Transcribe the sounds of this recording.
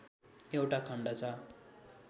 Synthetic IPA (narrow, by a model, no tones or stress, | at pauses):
ewʈakʰʌɳɖat͡sʰʌ